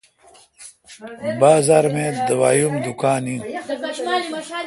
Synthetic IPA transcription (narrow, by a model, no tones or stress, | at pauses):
baːzaːɾmẽd̪ɐwa̰ːjumd̪ukaːni